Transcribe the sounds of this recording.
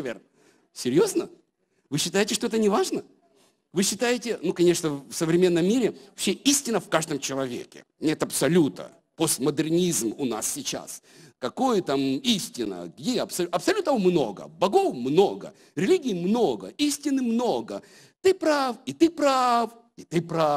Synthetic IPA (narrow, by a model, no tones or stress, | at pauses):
vʲḛrnə | sʲɪɾʲjo̞znə | vɨɕːɪt̪ajɪtʲɪʂt̪o̞ɛt̪ənʲɪvaʐnə | vɨɕːɪt̪ajɪtʲɪnukɐnʲe̞ʂnəfsəvɾʲɪmʲe̞nːəmːʲiɾʲɪɐɕeisʲtʲɪnəfkaʐd̪əmt͡ɕɪlˠɐvʲḛkʲɪ̰nʲet̪ɐpsɐlʲut̪ə̰ | post̪məd̪ɨrnʲizmʊna̰ssʲɪt͡ɕa̰s | kɐko̞jət̪amisʲtʲɪnə̰ɡjʲeɐpsɐlʲɐpsɐlʲut̪əmno̞̰ɡə̰bɐɡo̞fmno̞ɡə̰ | ɾʲɪlʲiɡʲɪːmno̞ɡə̰isʲtʲɪnɨmno̞ɡə | t̪ɨpɾafit̪ɨpɾaf | ɪt̪ɨpɾa